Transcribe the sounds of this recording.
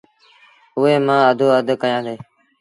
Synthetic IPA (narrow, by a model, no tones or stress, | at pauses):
ʊeːmãːəd̪ʱoːəd̪ʱəkəjãːd̪eː